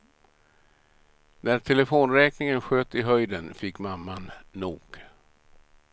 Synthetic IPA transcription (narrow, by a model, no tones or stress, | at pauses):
næʈʰɛlɛfoːnɾɛːknɪŋənɧøːt̪ɪɦœjd̪ənfɪkːmamːanːuːɡ̥